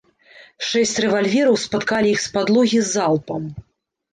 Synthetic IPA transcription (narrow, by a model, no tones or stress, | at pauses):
ʂɛsʲt͡sʲrɛvalʲvʲɛɾɐwspat̪kalʲiixspad̪lˠuɣʲizːalˠpɐm